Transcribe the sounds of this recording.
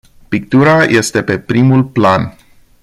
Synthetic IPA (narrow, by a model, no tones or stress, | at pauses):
pik̚t̪uɾajʔe̞st̪e̞pe̞pɾimulplan